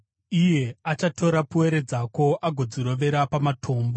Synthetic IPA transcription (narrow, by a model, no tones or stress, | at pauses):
ije̞at͡ʃato̞ɾapuwe̞ɾe̞d͡zako̞ʔaɡʱo̞d͡ziɾo̞ʋe̞ɾapamatʰo̞ːmbo